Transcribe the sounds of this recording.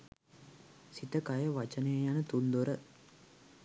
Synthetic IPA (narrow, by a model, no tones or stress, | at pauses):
sit̪ɐkajɐʋɐt͡ʃɐneːjanɐt̪und̪oɾɐ